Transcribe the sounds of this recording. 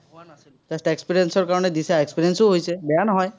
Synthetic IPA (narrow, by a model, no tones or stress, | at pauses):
t̪asʈaekspiɾiensɔɾkaɾɔned̪isaekspiɾiensoɦojt͡ʃʰebɛanɔɦɔj